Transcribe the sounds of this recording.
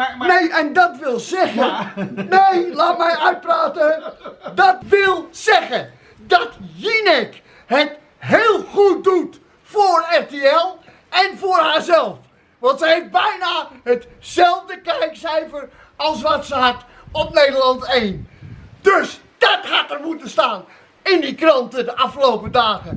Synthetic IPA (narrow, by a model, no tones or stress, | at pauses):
nejɛndɑtʋɪlˠzɛɣənejlaːt̚mɛjœɥt̚praːtədɑtʋɪlˠz̥ɛχə | dɑtjinɛk | hət | ɦɪːlˠχut̚dut | foːrɛɹteɛlˠ | ɛnfʊːrɦaːɹzɛlˠf | ʋɑntsəɦef̚bɛjnaɦət | sɛlˠvdəkɛjksɛjvər | ɑlˠsʋɑtsəɦɑt | ɔp̚nejdəlɑntejndøs | d̥ɑtɦɑtərmutəstaːn | ɪndikrɑntədəʔɑflowpədaːɣə